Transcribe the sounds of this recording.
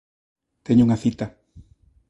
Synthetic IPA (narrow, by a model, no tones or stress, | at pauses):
t̪eɲʊuŋɐθit̪a